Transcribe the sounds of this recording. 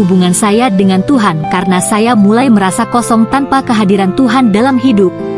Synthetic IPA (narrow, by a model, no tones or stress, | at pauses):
ubuŋansajadəŋant̪uɦankaɾənasajamulajməɾasakɔsɔŋt̪anpakəɦadiɾant̪uɦandalamɦidʊp̚